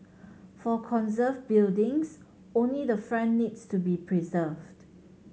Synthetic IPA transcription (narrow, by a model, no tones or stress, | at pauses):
fɔkʰɔ̃nzəvbildɪ̃ŋs | õnlidəfɹɛ̃nːidstubipʰɹizəvd